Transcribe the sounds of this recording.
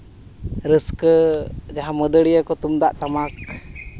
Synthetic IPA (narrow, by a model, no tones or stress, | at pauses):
ɾəskəd͡ʒaɦaməd̪əɽijəkɔt̪umd̪aʔʈamak